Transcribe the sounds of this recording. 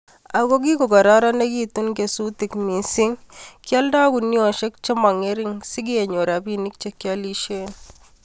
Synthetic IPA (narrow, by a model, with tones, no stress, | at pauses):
a˨ɡo˦ɡi˦ko˨ɡa˨ɾa˦ɾa˦ne˦ɡi˦t̪u˦nke˨su˦t̪ɪ˨kmi˨sɪ˦ŋkja˦ldaː˦ɡu˨nːi˦ɔ˨ʃe˦k̚t͡ʃe˦ma˨ŋe˦ɾɪ˦ŋsɪ˦ɡi˦e˨ɲo˨ɾa˨bi˦ni˦k̚t͡ʃekjali˦ʃe˦n